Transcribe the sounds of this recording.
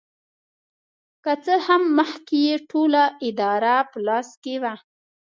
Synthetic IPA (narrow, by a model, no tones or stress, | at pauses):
kat͡səhamːəxkejeʈʰolaʔɪd̪ɑɾapəlɑskewa